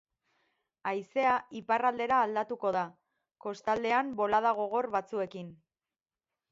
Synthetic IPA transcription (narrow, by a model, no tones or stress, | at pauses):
ajse̞aiparald̪e̞ɾaːld̪at̪uko̞ð̞a | ko̞st̪ald̪e̞ambo̞lað̞aɣ̞o̞ɣ̞o̞rβat͡sue̞kin